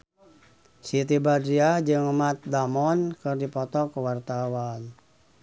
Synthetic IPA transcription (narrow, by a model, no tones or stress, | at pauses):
sit̪ibadɾiad͡ʒɨŋəmat̪̚damɔnkɨrdipɔt̪ɔkəwart̪awan